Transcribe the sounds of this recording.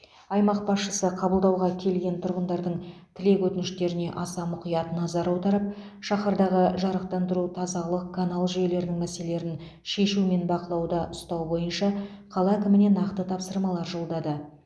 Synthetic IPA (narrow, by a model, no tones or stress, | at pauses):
ɑjmɑq̚bɑsʃəsəqʰɑbəlˠd̪ɑwʁɑkʲʰe̞lɡʲe̞nt̪ʰʊɾʁənd̪ɑɾd̪əɴt̪ʰɪle̞kwɵt̪ɪnɪʃt̪e̞ɾɪne̞ʔɑsɑmʊqijɑt̪ənɑzɑɾɑwd̪ɑɾəp̚ | ʃɑχɑɾd̪ɑʁəʒɑɾəq̚t̪ɑnd̪əɾut̪ʰɑzɑlˠəqkʰanɑlˠʒʏje̞le̞ɾɪnɪŋmæse̞le̞ɾɪn | ʃe̞ʃume̞nbɑqəlˠɑwd̪ɑʔʊst̪ɑwbo̞jənʃɑ | qʰɑlˠɑkʲɪmɪne̞nɑqt̪ət̪ʰɑpsəɾmɑlˠɑɾʒo̞lˠd̪ɑd̪ə